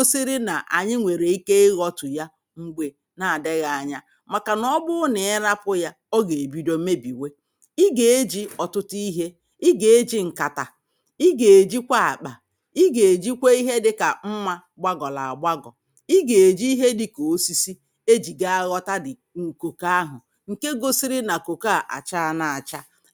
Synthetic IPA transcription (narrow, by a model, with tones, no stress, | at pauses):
o˦si˦ɾi˦na˨ʔa̰˨ɲɪ˦ŋʷe˨ɾe˨i˦ke˦ɪ˦ɣɔ˦tʊ˨ja˦ | ŋ͡m̩˦ɡ͡bʷe˨ | na˨a˨dɪ˦ɣa˨a˨ɲa˦ | ma˨ka˨nɔ˦bʊ˦ne˨ɪ˦ɾa˦pʊ˦ja˦ | ɔ˦ɡe˨e˨bi˦do˦me˦bi˨we˦ | i˦ɡe˨e˦d͡ʒi˦ɔ˨tʊ˦ti˦ɦe˦ | i˦ɡe˨e˦d͡ʒi˦ŋ̩˨ka˨ta˨ | i˦ɡe˨e˨d͡ʒi˦kʷa˦a̰˨k͡pa˨ | i˦ɡe˨e˨d͡ʒi˦kʷe˦i˦ɦe˦dɪ˦ka˨m̩˦ma˦ | ɡ͡ba˦ɡɔ˨la̰˨a˨ɡ͡bʷa˦ɡɔ̰˨ | i˦ɡe˨e˨d͡ʒi˦i˦ɦe˦dɪ˨ko˨˦si˦si˦ | e˦d͡ʒi˨ɡa˦a˦ɣɔ˦ta˦dɪ˨ | ŋ̩˨ko˨ka˦a˦ɦʊ̰˨ | ŋ̩˨ke˦ɡo˦si˦ɾi˦na˨ko˨ka˦˨ʔa̰˨t͡ʃa˦a˦˨na˨a˨t͡ʃa˦